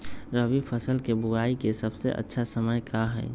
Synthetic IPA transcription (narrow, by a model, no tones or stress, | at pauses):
ɾəʋipʰəsəlkebʊɡaːikesəbseʔə̰tːʃʰasəməjkaɦɛ̰ː